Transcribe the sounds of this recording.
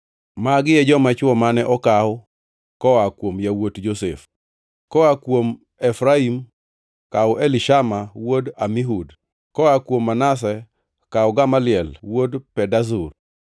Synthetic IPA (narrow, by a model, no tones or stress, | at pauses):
maɡɪjɛd͡ʒɔmat͡ʃwɔmanɛʔɔkaʊ | kɔakwomjawotd͡ʒosef | kɔakwom | ɛfɾaim | kaʊʔeliʃamawodamiɦud | kɔakwomːanas̬ɛ | kaʊɡamalɪɛlwodpɛdazur